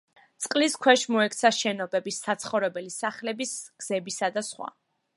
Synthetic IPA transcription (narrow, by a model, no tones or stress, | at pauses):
t̪sʼqʼliskʰwɛʃmɔɛkʰt̪sʰaʃɛnɔbɛbisːat̪sʰχɔvɾɛbɛlisaχlɛbisɡ̥z̥ɛbisad̪asχwa̰